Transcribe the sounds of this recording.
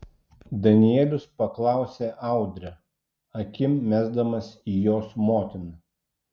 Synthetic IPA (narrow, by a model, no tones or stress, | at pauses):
d̪ɐnʲɪɛlʲʊspɐklˠɑˑʊsʲeːʔɑˑʊd̪ʲɾʲɛ | ɐkʲɪmːʲæːzd̪ɐmɐsiːjoːsmoːt̪ʲɪnɐ